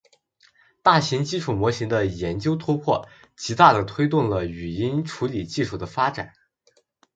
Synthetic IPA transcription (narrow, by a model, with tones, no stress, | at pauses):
t̪a˥˩ɕi˧˥ŋt͡ɕi˥ʈ͡ʂʰu˨˩mwɔ˧˥ɕi˧˥ŋd̪ə˧jɛ˧˥nt͡ɕjo˥ʊt̪ʰu˥pʰwɔ̰˥˩ | t͡ɕi˧˥t̪a˥˩d̪ə˩t̪ʰwe˥ɪt̪ʊ˥˩ŋlə˩y˨˩i˥nʈ͡ʂʰu˧˥li˨˩t͡ɕi˥˧ʂu˥˩d̪ə˦fa˥ʈ͡ʂa̰˨˩˦n